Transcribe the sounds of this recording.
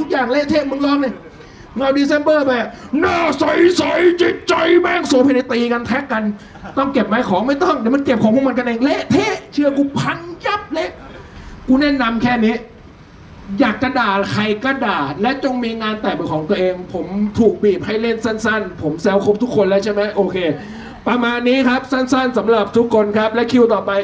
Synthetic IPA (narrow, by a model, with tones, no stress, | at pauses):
t̪ʰu˦˥k̚jaː˨˩ŋleː˥˨t̪ʰeː˥˩˨mɯ˧˥˦nlɔː˦˥˩ŋna˧˩ | ŋa˧˩wdiː˧se˧˥˦nbɤː˥˩ba˧˨˩naː˧˥˩sa˨˦jsa˨˦jt͡ɕi˨˩t̪̚t͡ɕa˧jbaː˧˥˩ŋsoː˨˦pʰe˧˨na˧˦t̪iː˧ka˧nt̪ʰɛ˦˥kːa˧n | t̪ɔ˥˩ŋke˨˩p̚ma˦˥˩jkʰɔː˨˦ŋma˥˩jt̪ɔ˥˩ŋdɛː˨˦ma˧nke˨˩p̚kʰɔː˨˦ŋkʰːma˧nka˧nʔeː˧ŋleː˥˩ʔt̪ʰeː˧˥˩t͡ɕʰɯ˧ɐkuː˧pʰa˦˥ŋja˦˥p̚leː˧˥˩ʔ | kuː˧nɛː˥˩na˧mkʰɛː˥˩niː˦˥ | jaː˨˩kːa˧˩ndaː˨˩kʰa˧˩jka˧˥˩daː˨˩t̪̚lɛ˦˥t͡ɕo˧ŋmiː˧ŋaː˧nt̪ɛː˨˩baː˨˩kʰɔː˩˦ŋt̪u˧əʔeː˧ŋpʰo˩˦mt̪ʰuː˨˩k̚biː˨˩p̚ha˥˩jle˥˩nsa˥˩nsa˥˩npʰo˩˦msɛː˦˥wkʰo˦˥p̚t̪ʰu˦˥kʰːo˧nlɛː˦˥wt͡ɕʰa˥˩jmɛ˦˥ʔoː˧kʰeː˧ | pa˧maː˧nːiː˦˥kʰa˦˥p̚sa˥˩nsa˥˩nsa˩˦mɾa˨˩p̚t̪ʰu˦˥kʰːo˧nkʰa˦˥p̚lɛ˦˥wkʰi˧wt̪ɔː˨˩pa˧j